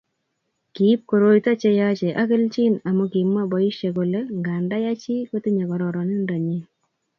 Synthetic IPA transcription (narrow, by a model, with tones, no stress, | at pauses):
ki˨˦p̚ko˨ɾo˦jta˦t͡ʃe˦ja˦t͡ʃe˨ʔa˦kɪ˦lt͡ʃi˦na˨mo˦ki˨mwa˦bɔ˨i˦ʃje˨ko˨le˦ŋɡa˨nda˦ja˦t͡ʃi˦ko˦ti˦ɲa˨kɔ˨ɾɔ˨ɾɔ˨ne˦nda˨ɲi˦